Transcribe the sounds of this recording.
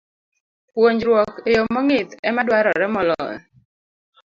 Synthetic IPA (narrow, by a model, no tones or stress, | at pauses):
pwoɲd͡ʒɾwɔkejomɔŋɪt̪ɛmadwaɾɔɾɛmɔlɔɛ̰